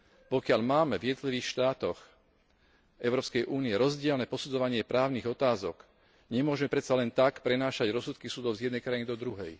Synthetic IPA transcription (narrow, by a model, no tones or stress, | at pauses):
pɔkɪaʎmaːmɛvjɛd̪ɔt̪liʋiːxʃt̪aːt̪ɔx | ʔɛʊɾɔːpskɛjʔuːniɛɾɔzɟɪɛlnɛpɔsud͡zɔʋaɲɪɛpɾaːʊniɣɔt̪aːzɔk | ɲɛmʊɔʒmɛpɾɛt̪salɛnt̪akpɾɛnaːʃaɟɾɔsut̪kisud̪ɔʊzjɛd̪nɛjkɾainid̪ɔd̪ɾuɦɛj